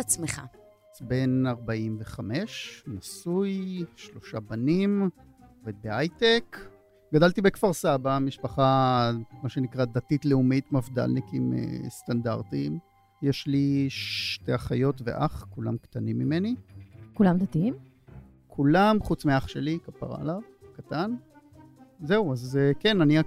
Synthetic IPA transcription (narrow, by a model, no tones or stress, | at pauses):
at͡smeχa̰ | be̞naʁbaimveχame̞ʃnasujʃlo̞ʃabanim | oved̪̚beajt̪ek | ɡad̪alt̪ibekfaʁsabamiʃpaχamaʃenikʁad̪atitleumitmafd̪a̰lnikimḛst̪anda̰ʁt̪im | jeʃliʃteaχajo̞tvḛʔaχkula̰mkt̪animːimenikulamd̪at̪iim | kʰulamχut͡smiaχʃelikapa̰ʁa̰lav | kat̪an | zeuazkenania